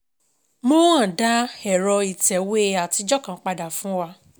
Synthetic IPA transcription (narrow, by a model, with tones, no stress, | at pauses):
mõ˦ã˦˨da˦hɛ˨ɾɔ˧i˨tɛ˨we˦a˨ti˧˦d͡ʒɔ˦kã˨˦k͡pa˧da˨fũ˦wa˧˦